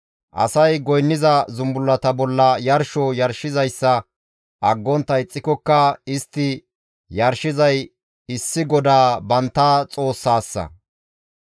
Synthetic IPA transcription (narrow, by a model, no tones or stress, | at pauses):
ʔɐ̰sɐjɡɔjnːɪzɐzʊmbʊlːɐt̪ɐbɔlːɐjɐɾʃɔjɐɾʃɪzɐjsːɐ | ʔɐɡːɔnt̪ːɐɪt͡sʼːɪkɔkːɐɪst̪ːɪ | jɐɾʃɪzɐj | ɪsːɪɡɔd̪aːbɐnt̪ːaːt͡sʼo̞ːsːaːsːɐ̰